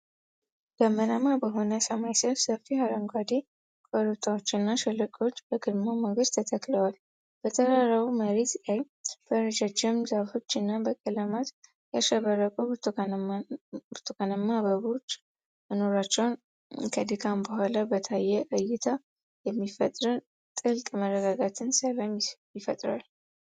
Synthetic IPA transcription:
b̥əmːənamabəɦo̞nəsəmajsəβsəfːihaɾəŋɡʷwad̪e | kʼʰoɾut̪ʰawot͡ʃːɨnːaʃɨlːɨkʼo̞t͡ʃːbəɡɨdmaməŋɡəd̪t̪ʰət̪ʰəkləwal | b̥ət̪ʰəɾaɾawuməɾet̪laj | b̥əɾəd͡ʒat͡ʃːɪmzəβfo̞t͡ʃːɨnːabəkʼələmat̪ | jaʃɛβəɾəkʼobt̪ʰ | t̪ʰukʰanəmːaβəβot͡ʃː | məno̞ɾat͡ʃːɛwn | kʰəd̪ɨkʰambəhʷalabət̪ʰajːɛʔəjɪt̪ʰa | jɛmːifət̪ʼɾɨn | t̪ʼɨlkʼmərːəɡaɡat̪ʰɨnsəlamjɪfət̪ʼɾa̰l

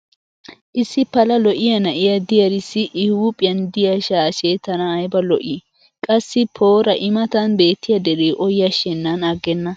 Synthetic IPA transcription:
ʔɪsːɪpɐlɐlɔʔɪjɐnɐʔɪjɐd̪ɪjɐɾɪsːɪʔɪhuːpʼɪjɐnd̪ɪjɐʃaːʃet̪ɐnɐːjbɐlɔʔɪ | kʼɐsːɪpʰo̞ːɾɐʔɪmɐt̪ɐnbe̞ːt̪ːɪjɐd̪ɛɾeːʔɔjːɐʃɛnːɐnɐɡːɛnːɐ

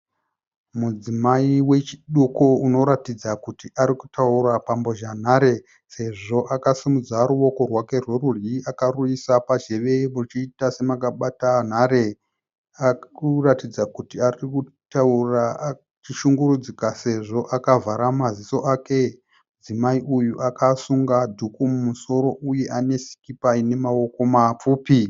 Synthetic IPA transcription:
mud͡zimaiwe̞t͡ʃi̥ɗukuuno̞ɾatid͡zakutiʔaɾiku̥taurapambo̞ʒan̤aɾe̞ | se̞ʐo̞ʔakasimud͡zaɾuwo̞ko̞rwake̞rwe̞rurjiakaruisapad͡ʒe̞ʋe̞mut͡ʃiːtase̞makaɓatan̤aɾe̞ | akuratid͡zakutiariku | taura | t͡ʃiʃuŋɡurud͡zikase̞ʐo̞ʔakavaɾamaziso̞ʔake̞ | mud͡zimaiʔujuʔakasuŋɡadʱukumumuso̞ɾo̞ʔuje̞ʔane̞si̥kipaine̞mawo̞ko̞map͡fuːpi

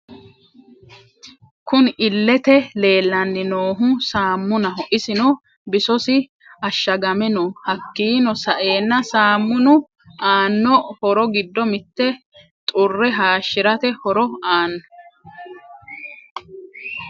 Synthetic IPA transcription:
kʊnɪlːɛt̪ɛle̞ːlːɐnːɪnoːɦʊsaːmːʊnɐɦɔʔɪsɪnɔ | bɪsɔsɪ | ɐʃːɐɡɐmɛnɔhɐkːiːnɔsɐʔe̞ːnːɐsaːmːʊnʊ | aːnːɔhɔɾɔɡɪd̪ːɔmɪt̪ːɛ | t̪ʼʊrːɛɦaːʃːɪɾɐt̪ɛhɔɾɔaːnːɔ

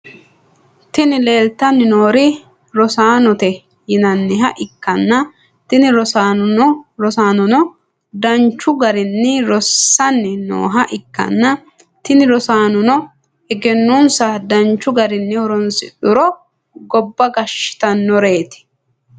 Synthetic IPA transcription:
t̪ɪnɪle̞ːlt̪ːɐnːɪnoːɾɪ | ɾɔsaːnɔt̪ɛ | jɪnɐnːɪɦɐʔɪkːɐnːɐ | t̪ɪnɪɾɔsanɔɾɔsaːnɔnɔ | d̪ɐnt͡ʃːʊɡɐɾɪnːɪɾɔsːɐnːɪno̰ːɦɐʔɪkːɐ̰nːɐ | t̪ɪnɪɾɔsaːnɔnɔ | ɛɡɛnːʊnsɐd̪ɐnt͡ʃːʊɡɐɾɪnːɪhɔɾɔnsɪ̰ᶑʊɾɔ | ɡɔbːɐɡɐʃɪ̥t̪ɐnːɔɾe̞ːt̪ɪ̥

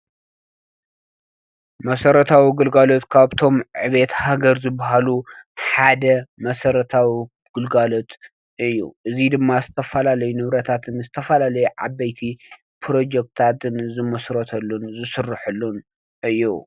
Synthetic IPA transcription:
mɐsɐɾɐt̪ʰawiɡɨlɡalo̞t̪kʰaβt̪ʰo̞mʕɨβe̞t̪haɡɐɾzɨbːaɦaluħad̪ɐmɐsɐɾɐt̪ʰawi | ɡ̥ɨlɡalo̞t̪ | ʔɨjːṵʔɨzid̪ɨmːazɨt̪ʰɐfɐlalɐjunɨβɾɐt̪ʰat̪ʰɨnzɨt̪ʰɐfɐlalɐjuʕa̰bːɐjt̪ʰi | pʰɾo̞d͡ʒek̚t̪ʰat̪ɨnzɨmɐsɾɐt̪ʰɐlːunzɨsɨrːɨħulːun | ɨjːu

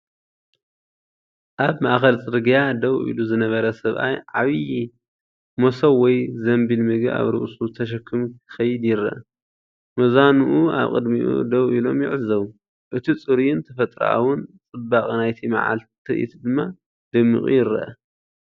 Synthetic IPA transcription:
ʔaβmaʔxɐlt͡sʼɨɾɡijad̪ɐwʔḭluzɨnɐβɐɾɐsɐβʔa̰jʕaβi | mosɐwːɔjzɐmbilmɨɡa̰βɾɨ̰ʔsut̪ʰɐʃ̬ɐkʰːɨmkʰɨ̥xɐjɪd̪jɪɾɐ̰ʔɐ | mɐzanuʔua̰βkʼɨd̪miʔṵd̪ɐwʔilo̞mjɪʕɨzɐwu | ʔɨt̪ʰit͡sʼɨɾiɪnt̪ʰɐfɐt̪ʼɾɐ̰ʔa̰wʊnt͡sʼɨbːaχʼnajt̪ʰima̰ʕa̰lt̪ʰɨʔḭt̪d̪ɨmːa | d̪ɨmːɨ̰kʼṵjɪɾɐ̰ʔɐ

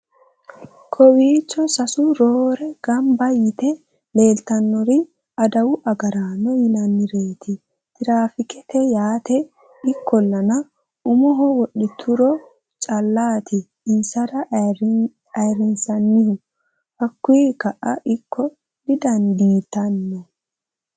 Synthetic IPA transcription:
kʰɔwiːt͡ʃːɔsɐsʊɾoːɾɛɡ̥ɐmbɐjɪt̪ɛ | le̞ːlt̪ɐnːɔɾɪ | ɐd̪ɐwʊʔɐɡɐɾaːnːɔjɪlɐnːɪɾe̞ːt̪ʰɪ | t̪ɪɾaːfɪkɛt̪ɛjaːt̪ɛ | ɪkʰːɔlːɐnɐ | ʊmɔɦɔwɔɗɪt̪ʰʊɾɔ | t͡ʃʼɐlːaːt̪ʰɪ | iːsɐɾɐ | ɐjɾɪnsɐnːɪhʊ | hɐkːʊjɛkɐʔɐʔɪkːɔ | d̪ɪd̪ɐnd̪iːt̪ːɐnːɔ

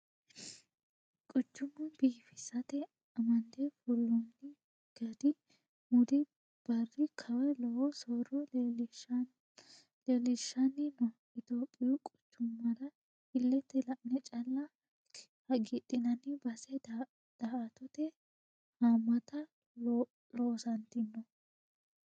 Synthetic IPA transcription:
kʼʊt͡ʃːʊmːʊnbiːfɪsɐt̪ɛ | ɐmɐnd̪efɔlːɔnːɪ | ɡ̥ɐd̪ɪ | mʊd̪ɪ | b̥ɐrːɪkʰɐwɛlɔwɔsɔɾɔ | lelɪʃːɐnːɪnɔ | ɪt̪oːpʼːɪjɔkʼɔ̥t͡ʃːʊmːɐd̪ɐ | hɪlːɛt̪ːɛlɐʔnɛt͡ʃʼɐlːɐ | hɐɡit̪ʼːɪnɐnɪbɐsɛ | d̪̥ɐɐt̪ɔt̪ɛ | hamːɐt̪ɐ | loːsɐnt̪ɪnːɔ

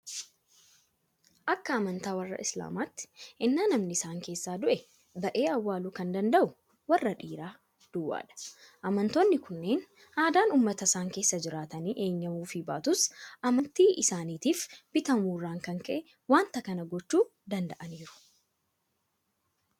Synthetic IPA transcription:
ʔɐkːɐːmɐnt̪aːwɐrːɐ̰ʔɪsla̰ːmaːt̪ːɪ̥ʔɪnːaːnɐmnɪɪsaːŋke̞ːsːaːd̪ʊʔɛ | bɐʔe̞ːɐwːaːluːkɐnd̪ɐnd̪ɐʔʊ | wɐrːɐᶑiːɾaː | d̪̥ʊwːa̰ːᶑɐ̥ʔɐmɐnt̪oːnːɪkʊnːe̞ːn | haːd̪aːnuːmːɐt̪ɐsaːŋke̞ːsːɐd͡ʒɪɾaːt̪ɐniːʔe̞ːɲːɐmuːfɪbaːt̪ʊsʔɐmɐnt̪iːʔɪsaːniːt̪iːfb̥ɪt̪ɐmuːrːaːŋkɐŋkɐʔɛ | waːnt̪ɐkɐnɐɡɔt͡ʃːuːd̪ɐnd̪ɐʔɐniːɾʊ̥

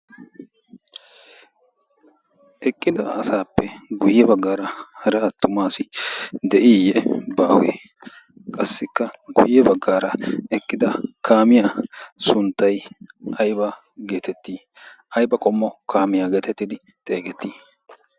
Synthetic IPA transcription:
ʔɛkʼːɪd̪ɐɐsaːpːɛɡʊjɛbɐɡːaːɾɐhɐɾɛɐt̪ːʊmaːsɪd̪ɛʔiːjɛbaːwḛː | kʼɐsːɪkːɐɡʊ̰jɛbɐɡːaːɾɐɛkʼːɪd̪ɐkʰaːmɪjaːsʊnt̪ːɐjʔɐjba | ɡe̞ːt̪ɛt̪ːiːɐjbɐkʼɔmːɔkʰaːmɪjaːɡe̞ːt̪ɛt̪ːɪd̪ɪ | t̪ʼe̞ːɡɛt̪ːiː

